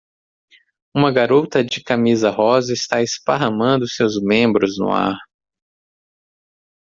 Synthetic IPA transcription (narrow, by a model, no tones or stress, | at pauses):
ũmɐɡaɾot̪ɐd͡ʒɪkamizɐɦɔzɐɪst̪aɪspaɦɐ̃mɐ̃nd̪ʊsewzmẽmbɾʊznʊ̰a̰ɾ